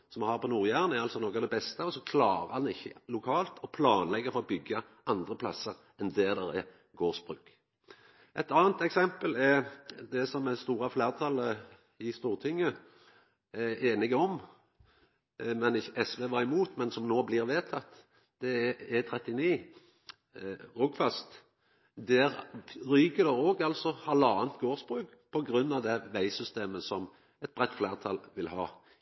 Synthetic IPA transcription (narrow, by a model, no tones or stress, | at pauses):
sɔmɑhɑːʁpʰɔnuːʁjæʁnɛʁɑlsɔnɔːkːɑd̪ɛbɛst̪əɔsɔkʰlɑːɾəɑnɪçːəlʊkʰɑːlt̪ʰɔpʰlɑːnlɛɡːəfɔɾɔbʏɡːə | ʔɑnd̪ʁəpʰlɑ̰səʁ | ʔɛnd̪ɛːd̪ɛɾɛ̰ | ɡoːʁsb̥ʁʉːk | ʔɛt̪ɑːnt̪ɛksɛmpəlɛʁd̪ɛsɔmːɛst̪uːɾɑfleːʁt̪ʰɑlːə | ɪst̪uːʁt̪ʰɪŋːə | æeːnɪɡəɔm | mɛnɪçːəʔɛsʋeːʋɑːʁɪmuːt̪mɛnsɔmnoːblɪʁʋeːt̪ʰɑt̪ː | d̪̥ɛɛt̪ʰʁɛt̪ːɪniː | ʁʊɡfɑst̪ | d̪æɾɾyːɡəd̪əoːɡɑlsɔhɑlɑːʋənt̪ɡoːʁsbʁʉːk | pʰɔɡɾʉnːɑʋd̪ɛʋæɪsʏst̪eːməsɔm | ɛt̪̚bʁɛt̪ːflæːʁt̪ʰɑlʋɪlhɑ̰ː